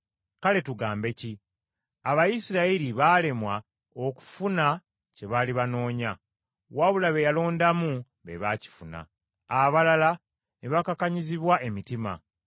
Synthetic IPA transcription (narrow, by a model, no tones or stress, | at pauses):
kale̞tuɡaːmbe̞ci | aβajisiɾaiɾiβale̞mwa | o̞ku̥funa | ce̞βaːliβano̞ːɲa | waβulaβe̞jalo̞ːndamu | βḛβaci̥funa̰ː | βalala | neβakakaɲiziβwaʔe̞mitima̰